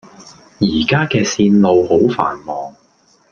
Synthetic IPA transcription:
jiː˨˩kaː˥kɛː˧siː˧nlo˨˧who˨˥wfa̰ː˨˩nmɔː˨˩ŋ

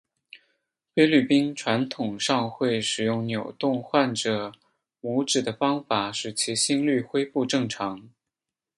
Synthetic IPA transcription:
fe˥ɪly˥˩pi˥nʈ͡ʂʰwa˧˥nt̪ʰʊ˨˩ŋʂɑ˥˧ŋxwe˥˩ɪʂɻ̩˨˩jʊ˥˩ŋnjo˨˩ʊt̪ʊ˥˧ŋxwa˥˩nʈ͡ʂɤ˨˩ | mɔ˧˥ʊʈ͡ʂɻ̩˨˩d̪ə˦fɑ˥ŋfa˨˩ʂɻ̩˨˩t͡ɕʰi˧˥ɕi˥ŋly˥˩xwe˥ɪpu˥˧ʈ͡ʂɤ˥˩ŋʈ͡ʂʰɑ˧˥ŋ

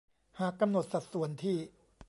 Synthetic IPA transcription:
haː˨˩kːa˧mno˨˩t̪̚sa˨˩t̪̚su˨˩ə˦nt̪ʰiː˥˩

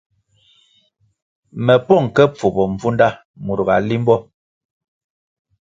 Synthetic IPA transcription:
mɛ˨pɔ˦˨ŋ˨kɛ˦p͡fu˨bɔ˨ɱ˨vu˦nda˦˨ | mu˨ɾɣa˨li˦m˦bɔ˦

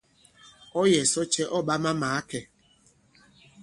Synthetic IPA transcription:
o˦je˨so˦t͡ʃe˦ʔɔ˦ɓa˦ma˦ma˨a˦ke˨

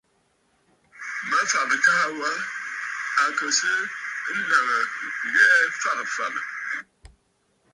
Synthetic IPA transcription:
ma˦fa˨ʔdɨ˨ka˦ha˦wa˦ | a˨kə˨sɨ˦n̩˦na˨ŋə˨ɣɛ˦fa˦˨ŋ˨fa˨mɨ̰˨

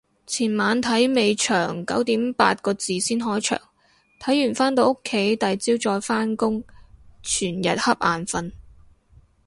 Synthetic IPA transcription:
t͡sʰiː˨˩nmaː˨˧nt̪ʰɐ˨˥jme˨˧jt͡ʃʰœː˨˩ŋkɐ˨˥wt̪iː˨˥mpa̰ː˧t̚kɔː˧t͡siː˨siː˥nɦɔː˨˥jt͡ʃʰœ̰ː˨˩ŋ | t̪ʰɐ˨˥jːyː˨˩nfaː˥nt̪o˧wʊ˥kʰːe˨˥jt̪ɐ˨˩jt͡siː˥wt͡sɔː˧jfaː˥nkʊ˥ŋt͡ʃʰyː˨˩njɐ˨t̚hɐ˥p̚ʔa̰ː˨nfɐ˧n

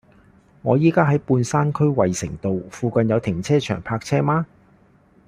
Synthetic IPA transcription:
ŋɔː˨˧jiː˥kaː˥ɦɐ˨˥jpuː˧nsaː˥nkʰɵ˥ɥwɐ˨jsɪ̰˨˩ŋt̪o˨wfuː˨kɐ˨˧njɐ˨˧wt̪ʰɪ˨˩ŋt͡sʰɛː˥t͡ʃʰœ̰ː˨˩ŋpʰaː˧k̚t͡sʰɛː˥maː˥

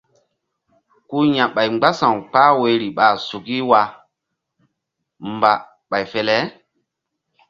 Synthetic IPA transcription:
ku˦ɲã˨ɓa˨jŋ͡mɡ͡ba˦sã˨wk͡paː˦we˨˦ɾi˨ɓa˨su˨ki˦wa˨ | mba˨ | ɓa˨jfɛ˦lɛ˦

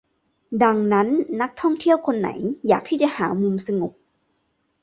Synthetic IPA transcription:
da˧ŋna˦˥nːa˦˥k̚t̪ʰɔ˥˩ŋt̪ʰi˥˩əwkʰo˧nːa̰˩˦jjaː˨˩k̚t̪ʰiː˥˩t͡ɕa˨˩ʔhaː˩˦mu˧msa˧ŋu˨˩k̚

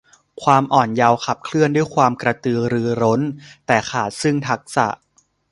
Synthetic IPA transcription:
kʰwaː˧mʔɔː˨˩nja˧wkʰa˨˩p̚kʰlɯ˥˩əndu˥˩jkʰwaː˧mkɾa˧t̪ɯː˧ɾɯː˧ɾo˦˥nt̪ɛː˨˩kaː˨˩t̪̚sɯ˥˩ŋt̪ʰa˦˥k̚sa̰˨˩ʔ

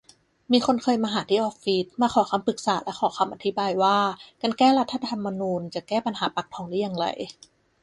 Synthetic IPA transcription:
miː˧xʰo˧nkʰɤː˧jmaː˧ɦaː˨˩˦t̪ʰiː˥˩ʔɔː˦˥k̚fi˦˥t̪̚maː˧kxʰɔː˨˩˦kʰa˧mpɯ˨˩k̚saː˨˩˦lɛ˦˥kʰɔː˨˩˦kʰa˧mʔa˧t̪ʰi˦˥baː˧jwaː˥˩ka˧nkɛː˥˩ɾa˦˥t̪ʰːa˧t̪ʰa˧mːa˧nuː˧nt͡ɕa˨˩kɛː˥˩pa˧nɦaː˩˦pa˨˩k̚t̪ʰɔː˧˦ŋlɛː˦˥˩ja˧˨ŋɾa̰˧j

